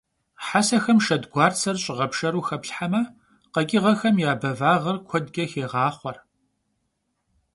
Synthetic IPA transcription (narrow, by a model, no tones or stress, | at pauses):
ħasɐxɐmʃɐdɡʷɑːrt͡sʰɐrɕʼɪʁɐpʂɐɾuːxɐpɬħamɐ | qɐkʲʼɪʁɐxɐmjaːbɐvaːʁɐrkʷʰɔdɡʲɐxeːʁɑːχʷɔr